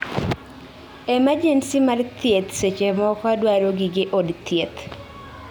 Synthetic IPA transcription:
ɛmad͡ʒensimart̪jet̪set͡ʃemɔkadwaɾoɡɪɡɪʔodt̪jet̪

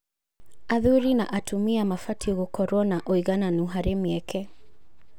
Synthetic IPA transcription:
aðuɾina̰ʔatʰumiamafatʰiɣɔkɔɾɔnaʔɔiɣananuɦaɾɛmɛkʰɛ

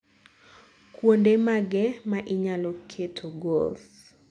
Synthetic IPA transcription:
kwondemaɡɛmaʔɪɲalokʰetʰoɡolθ

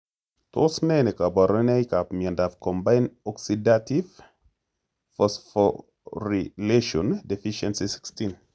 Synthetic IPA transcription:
tʰosnenekabaɾənejkapmiɛ̃ndavkɔ̃mbajnɔksidativ | fəsfɔ | ɾileʃɔ̃ndɛfiʃɛ̃nsisi̥kstin

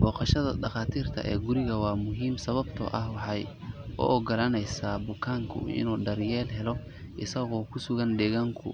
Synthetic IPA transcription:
bɔːqɑʃɐðɐ̰dɑχɑːt̪ʰiːrt̪ʰɐʔɛ̰ːɡʊɾɪɣɐwɑːmʊɦiːmsɐβɐbt̪ʰɔ̰ʔɐhwɑħɑj | ɔ̰ʔɔɡɐlɐnɛjsaːbʊkʰaːŋkʰʊ̰ɪ̰nuːɖɐrjɛːlɦɛlɔ | ʔɪsɐɣɔːkʰʊsʊɣɐnɖɛːɣaːŋkʰʊ̰

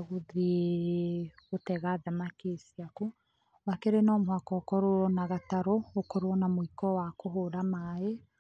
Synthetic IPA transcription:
ɣoðie | ɣotɛɣaðamakesiaku | wakeɾenɔmhakɔkɔɾoɔnaɣataɾɔokɔɾoɔnamoikɔwakoɦoɾamae

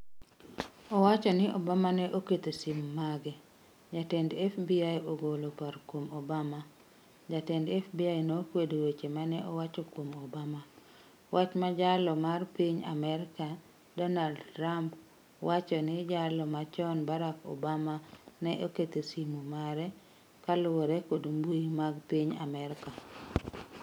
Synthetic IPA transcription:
ɔwat͡ʃɔnɪʔɔbamanɛʔoket̪osimmaɡɛ | d͡ʒatɛndɛfbiajoɡolopaɾkwomobama | d͡ʒatɛndɛfbiajnokwedowet͡ʃemanɛʔɔwat͡ʃɔkwomobama | wʔat͡ʃmad͡ʒalɔmarpiɲa̰mɛɾɪka | dɔnaldtɾamp | wat͡ʃɔnɪd͡ʒalɔmat͡ʃɔnbaɾakɔ̰bamanɛʔoket̪esimomaɾɛ | kalʊoɾɛkodombuimaɡpiɲa̰mɛɾka

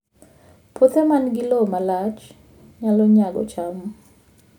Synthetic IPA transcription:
pʰot̪ɛmanɡɪlɔmalat͡ʃ | ɲalɔɲaɡɔ̰t͡ʃam

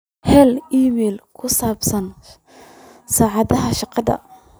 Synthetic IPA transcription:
hɛliːmɛːlkʰʊsaːbsɐn | saːʕɑðɐɦɐʃɑqɑðɐ̰

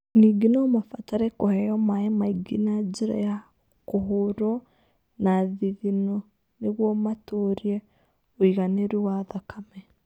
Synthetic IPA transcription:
niɡinɔmafataɾɛkohɛjɔmaemaiɡinad͡ʒiɾa̰ja | koɦoɾɔ | naðiðinɔ | neɣwɔmatoɾiɛ | oiɣaneɾuwaðakamɛ

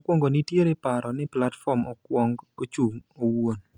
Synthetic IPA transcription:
kwɔŋɡonitjeɾepaɾɔnɪplatfɔmɔkwɔŋɡot͡ʃuŋowon

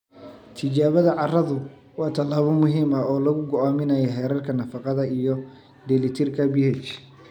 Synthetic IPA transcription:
t̪ʰɪt͡ʃaːβɐðɐʕɑrɐðʊ | wɑːt̪ʰɐlaːβɔmʊɦiːmɐɔːlɐɣʊɡɔaːmɪnɐjɐɦɛːɾɐrkʰɐnɐfɑqɑðɐijɔ | d̪ɛlɪt̪ʰɪrkʰɐbɪhɛt͡ʃ

